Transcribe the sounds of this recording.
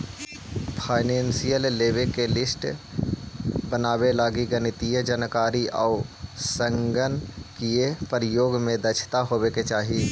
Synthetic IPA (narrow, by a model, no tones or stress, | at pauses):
pʰaːɪnẽːnsijəlːeːʋekelɪsʈ | bənaːbelaːɡiɡənɪt̪iəd͡ʒənkaːɾiʔa̰ːsə̃ŋɡənkiepəɾɪjoːɡmẽd̪ət͡ʃʰt̪aɦoːbeket͡ʃaːɦi